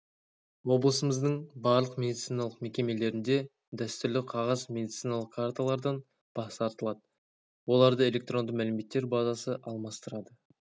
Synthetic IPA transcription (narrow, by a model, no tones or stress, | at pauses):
wo̞blˠəsəməzd̪əɴbɑɾlˠəqmʲe̞d̪ʲit̪sijnalˠəqme̞kʲe̞me̞le̞ɾɪnd̪e̞ | d̪æst̪ʏɾlɪqʰɑʁɑzme̞d̪it̪sijnalˠəqkʰaɾt̪alˠɑɾd̪ɑn | b̥ɑsɑɾt̪əlˠɑd̪ə | wo̞lˠɑɾd̪əe̞lʲe̞k̚t̪ɾo̞nd̪əmælɪme̞t̪ːe̞ɾbɑzɑsəʔɑlˠmɑst̪əɾɑd̪ə